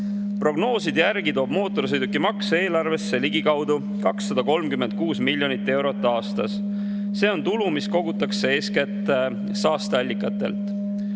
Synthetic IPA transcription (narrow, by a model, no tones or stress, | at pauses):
pro̞ɡno̞ːsid̪jærɡ̥it̪o̞ːb̥mo̞ːt̪ːˑo̞ɾsejd̪ukːimɑkse̞ːlɑrve̞sːe̞liɡikɑwd̪̥u | kɑksːɑd̪̥ɑko̞lmkymːe̞nt̪̚kuːsmilʲːjo̞nit̪ːe̞wɾo̞t̪ːˑɑːst̪ɑs | se̞ːo̞nt̪ulumisko̞ɡut̪ːˑɑksee̞ːskæt̪ːˑe | sɑːst̪eɑlʲːikːˑɑt̪ːˑe̞̰lt̪ˑ